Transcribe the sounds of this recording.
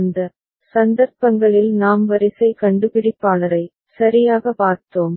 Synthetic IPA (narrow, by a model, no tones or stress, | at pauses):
nd̪ɐ | sɐnd̪ɐɾpɐŋɡɐɭɪlnaːmʋɐɾɪsɐɪkɐɳɖɯpɪɽɪpːaːlɐɾɐɪ | sɐɾɪjaːɣɐpaːɾt̪oːm